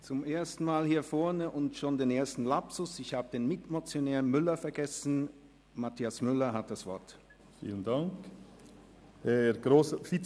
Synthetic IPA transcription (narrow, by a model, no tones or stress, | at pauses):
t͡sʊmʔeːɐstn̩maːlhiːɐfɔɐnəʔʊntʃoːndeːneːɐstn̩lapsʊsɪçhaːbəd̥eːnmɪtmot͡sjonɛːʁnmʏlɐfɛɐɡɛsn̩ | matʰiasmʏlɐɦat̚d̥asv̥ɔɐt | fḭːləndaŋk | hɛɡ̥ɾoːsəfi